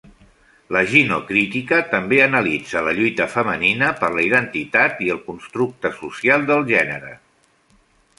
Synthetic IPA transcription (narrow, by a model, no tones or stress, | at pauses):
ləʒinokɾit̪ikət̪əmbeənəlid͡zələʎujt̪əfəməninəpəɾləiðənt̪it̪at̪iəlˠkunst̪ɾuk̚t̪əsusialˠd̪əlˠʒɛnəɾə̰